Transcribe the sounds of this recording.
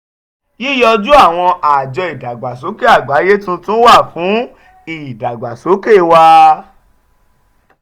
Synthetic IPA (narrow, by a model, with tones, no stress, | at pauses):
ji˦jɔ˧d͡ʒu˦a˦˨w̃ɔ̃˧a˨d͡ʒɔ˧i˨da˨ɡ͡ba˨so˨˦ke˦a˦˨ɡ͡ba˨˦je˦tũ˧˦tũ˦wa˦˨fũ˨˦ | i˦˨da˨ɡ͡ba˨so˨˦ke˦˨wa˧